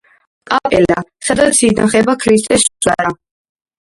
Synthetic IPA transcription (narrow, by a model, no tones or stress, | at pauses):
kʼapʼɛlasad̪at̪sʰid̪aχɛbakʰɾist̪ʼɛszaɾa